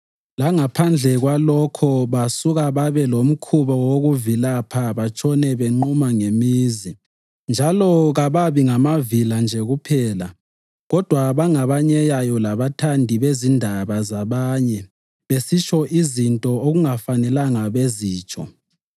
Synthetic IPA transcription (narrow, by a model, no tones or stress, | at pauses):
laŋapʰand͡ɮʱɛɣwalɔkʰɔβasuɣaβaβɛlom̩kʰuβɔwoɣuvilapʰaβat͡ʃʼɔnɛβeŋ͡ǃumaŋemiːzi | nd͡ʒʱalɔɣaβaβiŋamaviland͡ʒʱɛɣupʰɛːla | ɣɔd̥ʱwaβaŋaβaɲɛjajɔlaβatʰandʱiβezindʱaβazaβaːɲɛ | βesit͡ʃʰʼɔʔizintʼɔoɣuŋafanɛlaŋaβeziːt͡ʃʰʼɔ̰